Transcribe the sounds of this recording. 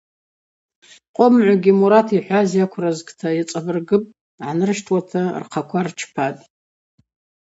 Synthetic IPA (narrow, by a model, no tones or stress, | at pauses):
qʷʼʊmʕʷaɡʲimuɾatʰiħʷazjakʷʰrazɡʼtʰajat͡sʼabɨrɡɨpʼ | ʕanɨrʃtʰwatʰa̰rqʰakʷʰart͡ʃʰpʰatʼ